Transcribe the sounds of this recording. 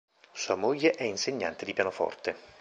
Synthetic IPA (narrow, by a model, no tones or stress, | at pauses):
suːamoʎːeʔɛinseɲːa̰nt̪ed̪ipjanofɔ̰rt̪e